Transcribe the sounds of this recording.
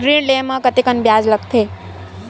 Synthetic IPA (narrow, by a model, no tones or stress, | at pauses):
ɡɾiɳlemãkət̪ikənbjad͡ʒləkt̪ʰe